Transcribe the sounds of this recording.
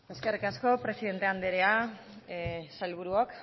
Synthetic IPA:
e̞ske̞rikasko̞pɾe̞siðe̞nt̪e̞and̪eɾea | sajlβ̞uɾuok

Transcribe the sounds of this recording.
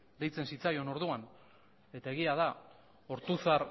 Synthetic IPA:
d̪e̞jt͡se̞nsit͡sajo̞no̞ɾð̞uan | e̞t̪ae̞ɣ̞iað̞a | o̞ɾt̪uθar

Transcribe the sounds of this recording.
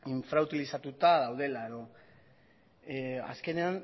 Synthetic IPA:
iɱfɾaut̪ilisat̪ut̪aðawðe̞lae̞ðo̞ | a̰ske̞ne̞an

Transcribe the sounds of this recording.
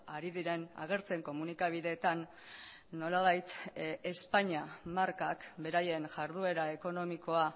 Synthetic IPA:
aɾiðiɾe̞na̰ɣ̞e̞ɾt͡se̞ŋko̞munikaβ̞iðe̞ːt̪anː | o̞laβ̞ajt̪e̞spaɲiamaɾkakbe̞ɾaje̞nʝaɾð̞ue̞ɾae̞ko̞no̞miko̞a

